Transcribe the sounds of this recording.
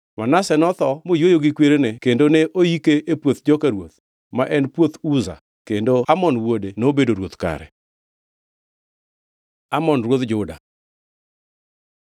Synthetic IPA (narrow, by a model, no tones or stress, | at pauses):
manasɛnɔt̪ɔmojwojoɡɪkweɾenekendoneʔoikeʔepwot̪d͡ʒɔkaɾwo̰t̪̚ | maʔɛnpwot̪uza̰ | kendoamɔnwodenobedoɾwot̪ka̰ɾɛ̰ | amɔnɾwot̪d͡ʒʊda̰